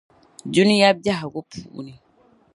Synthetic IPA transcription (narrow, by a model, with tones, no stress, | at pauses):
d͡ʒu˦ni˦ja˦b̚d͡ʒa˦ɦa˨ɡo˦pʰu˨ʔṵ˦ni˨